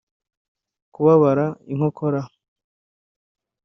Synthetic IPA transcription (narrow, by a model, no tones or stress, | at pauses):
kuβaβaɾaiŋ̥hokʰoɾa